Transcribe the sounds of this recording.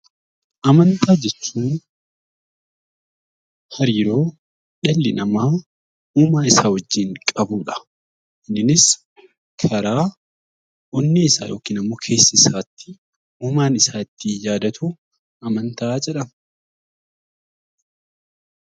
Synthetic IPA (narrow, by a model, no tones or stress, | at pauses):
ʔɐmɐnt̪aːd͡ʒɛt͡ʃːuːn | hɐɾiːɾo̞ː | ᶑɛlːɪnɐmaː | uːmaːɪsaːwɔd͡ʒːiːŋkʼɐbuːᶑɐ̥ | ʔɪnːɪnɪs | kʰɐɾaː | ɔnːɪɪsa̰ːjoːkiːnɐmuːkʰeːsːɪsaːt̪ːɪ̥ | uːmaːnɪsaːɪt̪ːɪjaːd̪ɐt̪ʰuː | ɐmɐnt̪ɐaːd͡ʒɛᶑɐm